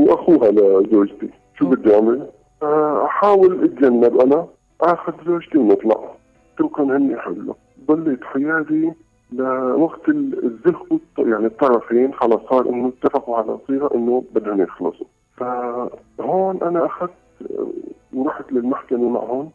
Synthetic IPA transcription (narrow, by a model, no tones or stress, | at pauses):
wʔaxuːɦalazoːd͡ʒt̪i | ʃuːbɪd̪ːaʕmɪl | ʔaħaːwɪlʔat̪d͡ʒanːabʔana | ʔaxʊd̪zoːd͡ʒt̪imnʔɨt̪ˤlɑ̰ʕ | ʃukaːnhɪnːiħɪ̰lːʊ̰ | bˤɑlːit̪ħɪjaːd̪i | lawaɡt̪ɪzːʊt̪ˤːjaʕnit̪ˤːɑɾˤɑfiːnʕalasˤɑːɾˤʔɪnːʊɪt̪ːafɑquʕala̰sˤiːɣaʔɪnːʊbad̪hʊnjɪxlɨsˤu | fa | hoːnʔanaʔaxad̪̰ | wɾˤɑːħt̪lɪlmaħkamama̰ʕhʊːn